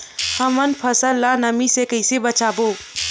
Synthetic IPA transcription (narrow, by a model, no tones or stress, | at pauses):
həmənpʰəsəlːanəmisekəɪsebət͡ʃaːboː